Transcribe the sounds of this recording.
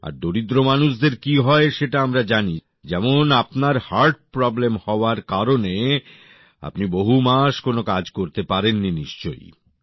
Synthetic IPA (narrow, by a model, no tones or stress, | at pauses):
a̰ɾd̪oɾid̪ɾomanuʃd̪eɾkiɦɔeʃeʈaamɾad͡ʑani | d͡ʑɛmonapnaɾhaɾʈ̚pɾɔblemhɔoaɾkaɾone | a̰pniboɦumaʃkonokad͡ʑkoɾt̪epaɾenːiniʃt͡ɕo̰j